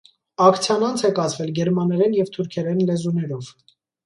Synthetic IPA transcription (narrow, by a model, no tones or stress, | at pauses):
ɑkʰt͡sʰjɑnɑnt͡sʰɛkɑzvɛlɡɛɾmɑnɛɾɛnjɛvt̪ʰuɾkʰɛɾɛnlɛzunɛɾɔv